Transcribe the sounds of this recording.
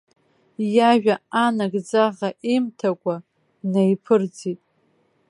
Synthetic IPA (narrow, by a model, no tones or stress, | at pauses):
jaʒᶣaanaɡd͡zaʁaʔimtʰakʷʼa | nejpʰɨrd͡zitʼ